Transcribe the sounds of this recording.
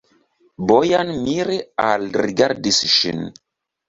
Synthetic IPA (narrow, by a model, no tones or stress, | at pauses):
bojanmiɾealɾiɡaɾdisʃḭn